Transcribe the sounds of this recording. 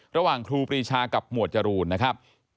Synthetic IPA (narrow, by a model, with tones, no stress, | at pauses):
ɾa˧waː˨˩ŋkʰɾuː˧pɾiː˧t͡ɕʰaː˧ka˨˩p̚mu˨˩ət̪̚t͡ɕa˧ɾuː˧nːa˦˥kʰa˦˥p̚